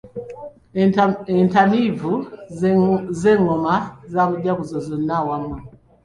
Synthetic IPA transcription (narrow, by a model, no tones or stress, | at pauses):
ɛntamivu | zɛŋɔmazamudakuzɔzɔnawamwa